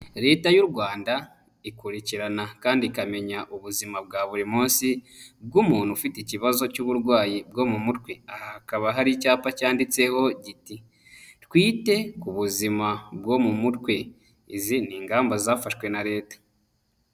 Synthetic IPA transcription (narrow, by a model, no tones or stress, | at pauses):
ɾe̞ːtajuɾɡwaːnda | ikuɾiciɾanakaːndikame̞ɲaʔuβuzimab̚ɡaːβuɾimuːnsi | b̚ɡumuːnhufiteciβazo̞cuβuɾɡwaːjibɡo̞mumutkweahakaβaɦaɾicaːpacaːndit͡se̞ho̞ɟiti | tkwiːte̞kuβuzimabɡo̞mumutkwe̞ | iziniːŋɡaːmbazaːfaʃwe̞naɾe̞ːtḁ